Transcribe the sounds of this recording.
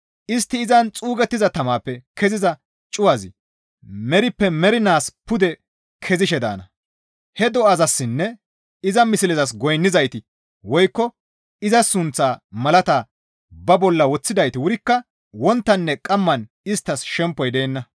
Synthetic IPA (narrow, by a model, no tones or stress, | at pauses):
ʔɪst̪ːɪːzɐnt͡sʼuːɡɛt̪ːɪzɐt̪ɐmaːpːɛkʰɛzɪzɐ | t͡ʃʼʊwɐzɪ̰ | mɛɾɪpːɛmɛɾɪnaːspʊd̪ɛ | kʰɛzɪʃɛd̪a̰ːnɐ̰ | hɛd̪ɔɐzɐsːɪnːɛ | ɪzɐmɪsɪlɛzɐs̬ɡɔjnːɪzɐjt̪ɪ | wɔjkːɔ | ɪzɐsʊnt͡sːaːmɐlɐt̪aː | bɐbɔlːɐwɔt͡sːɪd̪ɐjt̪ɪwʊɾɪkːɐ | wɔnt̪ːɐnːɛkʼɐmːɐn | ɪst̪ːɐsʃɛmpːɔjd̪eːnːɐ